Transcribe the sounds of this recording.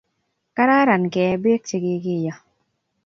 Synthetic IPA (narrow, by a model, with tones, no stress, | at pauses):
ka˦ɾa˦ɾa˨nkɛ˨˦be˦k̚t͡ʃi˨ɡɪ˦ɡɪ˦˨jɔ˨